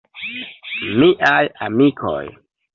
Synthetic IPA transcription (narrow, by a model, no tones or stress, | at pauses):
miʔajamikʰo̰j